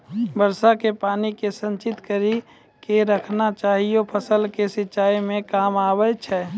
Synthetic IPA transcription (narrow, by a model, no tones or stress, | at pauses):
bəɾsakepaːnikesə̃nt͡ʃɪt̪kəɾi | keɾəkʰnat͡ʃaːɦijopʰəsəlkesɪtːʃaːimẽkaːmaːbət͡ʃʰɛː